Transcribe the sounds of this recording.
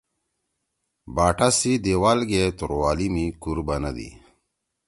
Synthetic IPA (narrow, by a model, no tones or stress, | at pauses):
baːʈasid̪ewaːlɡet̪uɾwaːlimikuɾbɐnɐd̪ḭ